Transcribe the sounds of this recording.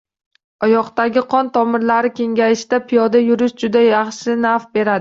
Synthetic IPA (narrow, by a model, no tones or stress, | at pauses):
ɒjɒqt̪aɡʲɪqʰɒnt̪ʰɒmɪɾlaɾɪkʲʰe̞ŋɡʲajɪʃd̪apʰɪjɒd̪ajʊɾɪʃd͡ʒʊd̪ajɑχʃɪnafbe̞ɾad̪ɪ